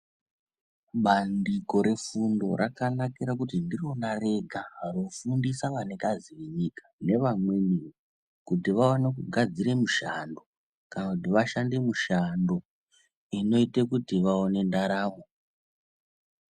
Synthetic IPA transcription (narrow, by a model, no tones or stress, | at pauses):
ɓandiko̞ɾe̞fundo̞̰rakanakiɾakutindiro̞nare̞ɡʱaːrofundisaʋanekaziʋeɲikḁne̞ʋamwe̞nio | kutiʋawanekuɡʱad͡ziɾe̞muʃando̞ | kanakutiʋaʃande̞muʃando̞ | ino̞itekutiʋaone̞ndaɾaːʋo